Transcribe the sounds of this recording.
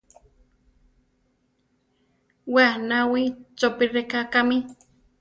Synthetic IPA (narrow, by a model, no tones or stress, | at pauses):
wanawit͡ʃopirekakami